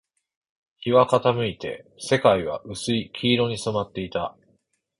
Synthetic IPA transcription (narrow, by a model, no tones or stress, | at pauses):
çiβakat̪amɯ̟it̪e̞̰se̞kaiβ̞a̰ʔɯ̟sɨikʲʰiːɾo̞ɲ̟isomat̪ːe̞it̪a